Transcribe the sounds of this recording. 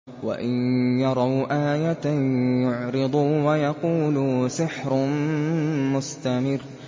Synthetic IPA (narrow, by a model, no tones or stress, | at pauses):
wa̰ʔɪnjɑɾˤɑwʔaːjat̪ajʊʕɾɨd̪ˤuwajɑquːlsɪħɾ | mʊst̪amɪrː